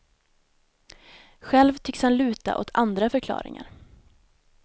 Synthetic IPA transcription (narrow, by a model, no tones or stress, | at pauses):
ɧɛlvt̪ʰʏkshanlʉ̟ːt̪a̰ʔot̪ʰand̪ɾafœɾkʰlɑ̰ːɾɪ̰ŋa̰ɾ